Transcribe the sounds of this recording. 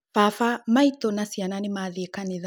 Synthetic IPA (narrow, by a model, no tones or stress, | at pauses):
fafamait̪ɔnasiananimaðikaniða